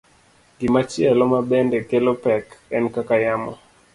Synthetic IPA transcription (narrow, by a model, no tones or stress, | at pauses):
ɡɪmat͡ʃɪɛlɔmabɛndekelopɛkɛnkakajamɔ̰